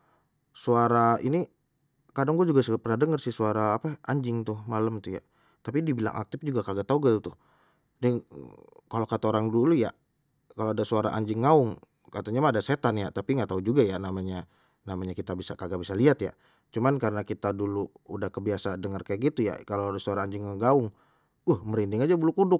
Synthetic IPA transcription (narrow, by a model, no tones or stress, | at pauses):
suaɾaini | kadaŋɡuad͡ʒuɡasəpərnadəŋərsisuaɾaːpaaɲd͡ʒɪŋt̪ʊhmaləmt̪uja̰ | t̪apidibila̰ŋʔa̰k̚t̪ɪfd͡ʒuɡakaɡat̪aɡəlt̪ʊh | dəŋkalokat̪aoɾaŋduluja | kaloadasuaɾa̰ʔa̰ɲd͡ʒɪŋːaʊŋ | kat̪aɲamaːdaset̪anja̰t̪apiŋɡat̪aud͡ʒuɡajanamaɲa | namaɲakit̪abisa̰kaɡabisaliat̪ja̰ | t͡ʃumankaɾənakit̪adulu | udahkəbiasadəŋərkajak̚ɡit̪uja̰kaloadasuaɾaːɲd͡ʒɪŋəɡaʊŋ | ʊhməɾindɪŋad͡ʒabəlukudʊk̚